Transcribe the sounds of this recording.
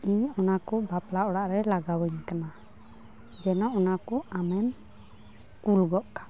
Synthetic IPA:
iɲɔnakɔbaplaʔɔɽaʔɾɛlaɡawəɲkana | d͡ʒɛnɔɔnakɔamɛm | kulɡɔʔkḁ

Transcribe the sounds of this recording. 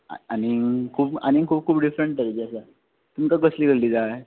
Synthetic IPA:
a̰anikʰuːpa̰nikʰuːp̚kʰuːpɖifɾeəɳʈtəɾed͡ʑiasa | t̪umkaɡəsliɡəɭliːd͡zae

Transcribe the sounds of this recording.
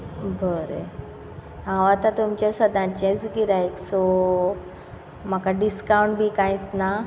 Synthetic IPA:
bʱəɾe | ɦãʋat̪at̪umt͡ɕjasəd̪ʱãt͡ɕẽsɡiɾajkso | m̤akaɖiskawuɳʈbʱiːkãjt͡sna

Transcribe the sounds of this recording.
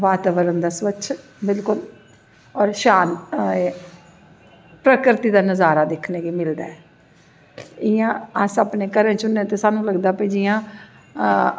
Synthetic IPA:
ʋaːt̪aːʋəɾənd̪aːsʋətːʃʰ | bɪlkʊl | ɔːɾʃaːn | pɾəkɾɪt̪iːd̪aːnəzaːɾaːd̪ɪkʰneːɡiːmɪld̪a̰ːɛː | ɪjãːasaːpneːkəɾə̃nt͡ʃʊnːẽːt̪eːsaːnũːləɡd̪aːpeːd͡ʒɪːãː

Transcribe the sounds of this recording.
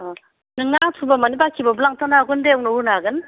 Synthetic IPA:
nɯŋatʰubamanibakʰibabulaŋtʰanaɡɯndeawnɔwunaɡɯn

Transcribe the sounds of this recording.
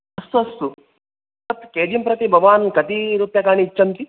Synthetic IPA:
ɐst̪uɐst̪u | ɐt̪keːd̪jɐmpɾɐt̪ibʱɐʋʋaːnkɐt̪iɾupjakaːɳ̃it͡ʃɐmt̪i

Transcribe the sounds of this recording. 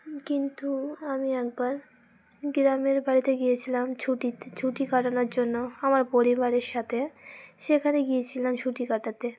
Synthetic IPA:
kint̪uamiɛk̚baɾ | ɡɾameɾbaɾit̪eɡijet͡ɕʰilamt͡ɕʰuʈit͡ɕʰuʈikaʈanoɾd͡ʑonːoamaɾpoɾibaɾeɾʃat̪ʰeʃekʰaneɡijet͡ɕʰilamt͡ɕʰuʈikaʈat̪e

